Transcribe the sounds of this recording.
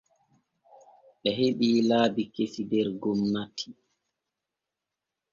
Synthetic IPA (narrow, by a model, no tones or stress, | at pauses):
ɓɛɦeɓiːlaːbikesidɛɾɡomːatʰi̥